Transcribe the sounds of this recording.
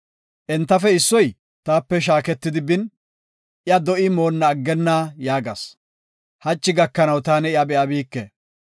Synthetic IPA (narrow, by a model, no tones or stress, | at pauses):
ʔɛnt̪ːɐfɛɪsːɔj | t̪aːpːɛʃ̬aːkɛt̪ːɪd̪ɪbɪn | ʔɪɐd̪ɔʔɪmo̞ːnːɐːɡːɛnːaːjaːɡɐ̰s | hɐt͡ʃːɪɡɐkːɐnɐwt̪aːnɛɪɐbɛʔɐbiːkːɛ̰